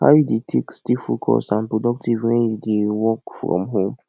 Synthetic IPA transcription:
ha̰ʊjudetʰekstifokʰɔ̰sãnpɹodɔk̚tivwɛ̃njudewɔkfɹɔ̰̃mɦõm

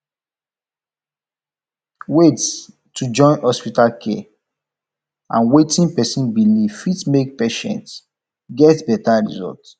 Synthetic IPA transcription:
wet | tʰud͡ʒɔ̃ɪ̃nhɔspitalkʰe | ã̰nwetĩnpɛsĩnbiliv̥fitmek̚peʃɛ̰̃nts | ɡɛtbɛtaɹḭzɔ̰lt

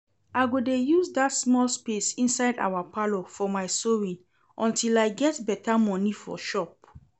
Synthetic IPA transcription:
aɪɡodejuzdatsmɔlspesĩnsaɪda̰wapalofɔmaɪsoɹĩn | ʔɔ̃ntilaɪɡɛtbɛtʰamɔnifɔ̰ʃɔp̚

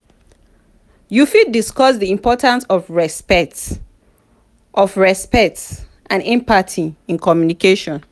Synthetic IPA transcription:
jufid̚diskɔsðiĩmpɔtãnsɔfɹɛspɛt | ʔɔfɹɛspɛk̚ts | ʔãnɛ̃mpatʰiĩnkɔmjunikeʃɔ̃n

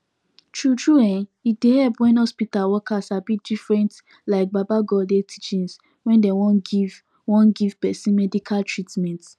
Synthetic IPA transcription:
tɹutʰɹuɛ̃nit̚dehɛlpwɛ̃nhɔspitalwɔkasabidifɹɛ̃nt | laɪk̚babaɡɔdetʰit͡ʃĩns | wɛ̃ndɛwɔ̃niv | wɔ̃nɡiv̥pɛsĩnmɛdikʰaltʰɹitmɛ̃nt

